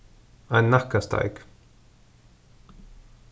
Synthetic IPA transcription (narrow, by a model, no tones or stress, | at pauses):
aɪnːakast̪a̰ɪk